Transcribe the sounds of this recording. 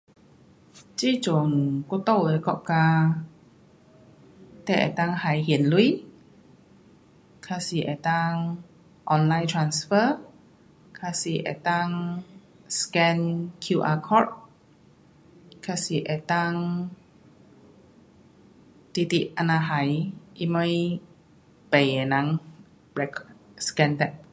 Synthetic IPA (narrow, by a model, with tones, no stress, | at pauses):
t͡ɕi˧˥˨t͡ʃo˨ŋko˧t̪o˥˧˨wʔe˨˧˩kɔ˧ʔka˧ | t̪ɛ˧˩ʔɛ̰˨˩jt̪a˧ŋha˨˦jɦi˨ənlu˧i | kʰa˧si˨˦ʔɛ̰˨˩t̪a˧ŋ | ʔɔ˧nla˧jnt̪ʰɹa˧nsfə˧ | kʰa˧si˧˨˦ʔɛ̰˨˩jt̪a˧ŋ | skɛ̃nkʰjuʔakʰɔt̪̚ | kʰasi˧ʔɛ˨t̪aŋ | t̪i˧t̪iʔʔa˧naɦa˨jʔimɔ̃˧j | bɛ˨jɛnãŋ | b̥ɛkʰskɛ̃˧nt̪ɛʔ̚